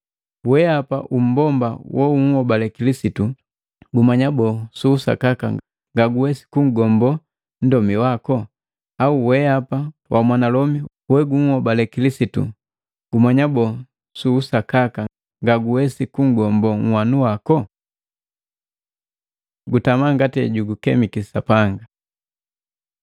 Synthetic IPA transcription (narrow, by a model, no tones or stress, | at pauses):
wɛapa̰ʔum̩bɔmba̰wɔuŋ̩hɔbalɛkilisitu | ɡumaɲabɔsuːsa̰kaka | ŋɡaɡuwɛsi̥kuŋ̩ɡɔmbɔ | n̩dɔmiwakɔ | auwɛapawʔamwanalɔmi | wɛɡuŋ̩hɔbalɛkilisitṵ | ɡ̥umaɲabɔ | suːsakaka | ŋɡaɡuwɛsikuŋ̩ɡɔmbɔŋ̩wanuwakɔ | ɡutamaŋɡatɛ̰ɟuɡukɛmikisapaŋɡa